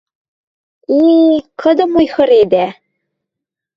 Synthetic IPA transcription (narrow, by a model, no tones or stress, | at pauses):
iqʰɤ̆d̪ɤ̆mojhɤ̆ɾed̪æ